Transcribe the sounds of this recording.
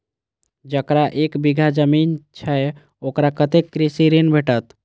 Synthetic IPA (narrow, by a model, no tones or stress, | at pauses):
d͡ʒəkɾaʔekbiɡʱad͡ʒəmint͡ʃʰəj | okɾakət̪ekːɾisiɾenbʱeʈət̪